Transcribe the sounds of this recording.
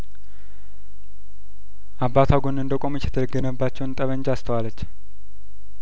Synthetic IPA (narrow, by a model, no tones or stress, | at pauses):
ʔabːat̪ʰaɡonɨnd̪əkʼo̞mt͡ʃːjɛt̪ʰələɡənəbːat͡ʃːɛwnt̪ʼəβəɲd͡ʒast̪ʰəwalːət͡ʃː